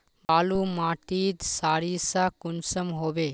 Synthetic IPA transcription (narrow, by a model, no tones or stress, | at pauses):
baːlumaʈit̪saːɾisakunsəmɦobe